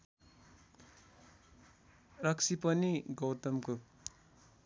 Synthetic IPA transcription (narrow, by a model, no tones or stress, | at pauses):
rʌksipʌniɡʌwt̪ʌmko